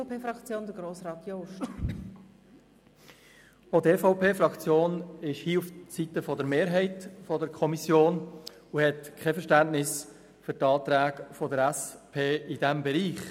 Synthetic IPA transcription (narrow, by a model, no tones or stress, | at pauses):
peːfɾɑkt͡sjoːnd̪əɡɾoːsrɑːt̪joʃ | otefɔʊpʰeːfɾɑkt͡sjoːnɪʃhiːuft͡sitəfɔdəɾmeːɾɦɛɪtfɔdəɾkʰɔmisjoːn | uhɛtkʰχɛfəɾʃtæntnɪs | fyɾtɑːt̪ɾæːɡfɔdəɾæspʰeːid̥ɛmbɛɾiːχ